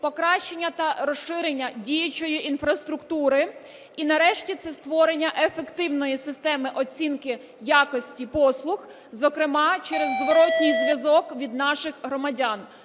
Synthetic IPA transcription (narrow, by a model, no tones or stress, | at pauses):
pɔkɾɑʃt͡ʃenʲːɐt̪ɐɾɔsɪɾenʲːɐdʲijɐt͡ʃɔjiʔinfɾɐst̪ɾʊkt̪uɾɪ | inɐɾɛʃtʲit̪sɛst̪ʋɔɾenʲːɐʔefekt̪ɪwnɔjisɪst̪ɛmɪʔɔt͡sʲinkɪ | jakɔsʲtʲipɔslˠʊx | zɔkɾɪmɑt͡ʃɛɾezːʋɔɾɔtʲnʲɪjzʋʲjɐzɔkʋʲid̪nɑʃɪxɦɾɔmɐdʲan